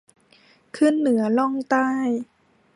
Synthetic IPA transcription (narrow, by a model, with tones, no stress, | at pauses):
kʰɯ˥˨nːɯ˩˦ɐlɔ˥˩ŋt̪aː˥˩j